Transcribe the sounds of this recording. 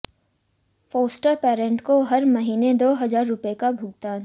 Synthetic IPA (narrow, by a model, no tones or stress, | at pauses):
foːsʈəɾpɛːɾə̃ɳʈkoɦɐɾmɐɦiːned̪oːɦɐzaːɾːʊpekabʱʊɡ̚t̪aːn